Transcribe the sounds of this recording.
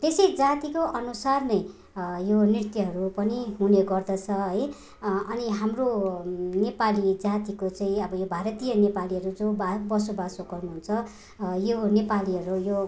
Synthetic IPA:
t̪esʌjd͡zat̪ikoʔʌnusarnʌj | jonirt̪jiɦʌɾupʌniɦuneɡʌrd̪ʌt͡sʰʌɦʌj | ʌniɦamronepalid͡zat̪ikot͡saĩʌbʌjobʱaɾʌt̪ijʌnepaliɦʌɾud͡zobabʌsobasoɡʌrnuɦunt͡sʰʌ | jonepaliɦʌɾujo

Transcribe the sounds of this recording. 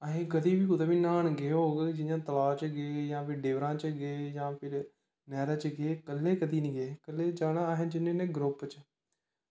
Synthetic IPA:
əɦẽːkəd̪iːbiːkʊd̪eːʋiːnaːɳɡeːɦoːɡd͡ʒɪjãːt̪əlaːt͡ʃɡeːjãːpɪɾɖeːʋɾãːt͡ʃɡeːjãːpʰɪɾ | nɛːɾət͡ʃɡeːkəlːeːkəd̪iːnĩːɡeːkəlːeːd͡ʒaːɳaːɦẽːd͡ʒɪnẽːnẽːɡɾʊpt͡ʃ

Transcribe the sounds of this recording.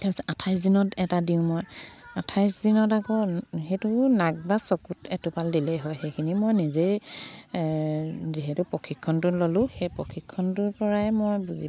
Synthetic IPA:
tɛpisɛʔatʰajs̬dinɔtɛtadiʊ̃mɔjatʰajsdinɔtakɔxejtʊnaɡ̚basɔkutɛtʊpaldilɛɦɔjxejkʰinimojnize | ziɦɛtʊpɔkʰikʰːɔntʊlolʊ̃xejpɹɔkʰikʰːɔntʊɹpɔɹaɛmojbuzi

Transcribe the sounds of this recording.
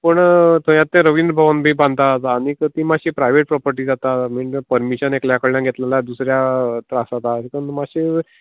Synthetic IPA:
pəɳt̪õjat̪ːẽɾəʋind̪ɾəbʱaʋənbʱiːbãnd̪̚t̪at̪ːñikət̪iːmaɕiːpɾajʋeʈ̚pɾɔpəɾʈiːd͡zat̪amiɳpəɾmiɕənekljakəɭjãɡʱet̪lelad̪usɾjat̪ɾasat̪ak̪ənmaɕi

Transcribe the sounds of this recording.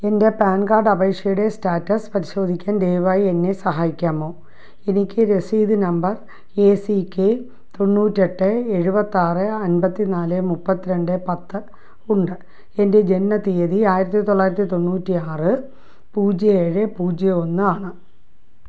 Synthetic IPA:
e̞nde̞paːnɡaːrɖɐbe̞ːkʂjɐjuɽe̞staːtːɐspɐɾiɕo̞ːd̪ʱikʲːaːnd̪e̞ːʋaːjie̞nːe̞sɐɦaːjikʲːaːmo̞ː | e̞nikʲːɨɾe̞siːd̪ɨnɐmbɐr | eːsikʲːe | t̪o̞nːuːtːie̞ʈːɨe̞ɻubɐt̪ːaːrɨɐnbɐt̪ːinaːlɨmupːɐt̪ːiɾe̞ɳɖɨpɐt̪ːɨ | uɳɖɨ | e̞nde̞d͡ʑe̞nːɐt̪eːðiaːjiɾɐt̪ːit̪o̞ɭːaːjiɾɐt̪ːit̪o̞nːuːtːiaːrɨ | puːd͡ʑɐeːɻepuːd͡ʑjɐo̞nːɨaːɳɨ

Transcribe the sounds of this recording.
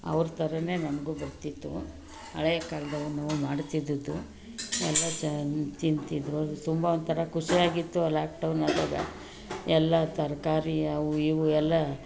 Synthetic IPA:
ɐ̰ʋɾt̪ʰɐɾɐne̞ːnɐnɐɡubɐɾt̪it̪ːṵ | ɐ̰ɭɐjɐkaːld̪ɐʋɐnːuumaːɽt̪id̪ːud̪u | ɛlːɐt͡ʃt̪int̪id̪ɾut̪umbɐond̪t̪ʰɐɾɐkuʂiaːɡit̪ːulaːk̚ɖɐwnaːd̪oːɡɐ̰ | ɛlːɐt̪ɐɾkaːɾiɐʋuiʋuɛlːɐ

